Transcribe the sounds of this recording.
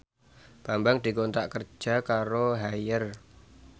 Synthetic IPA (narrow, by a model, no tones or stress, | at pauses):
pambaŋd̪̥i̤kont̪aʔkər̥d͡ʒʒ̥a̤kaɾoɦajər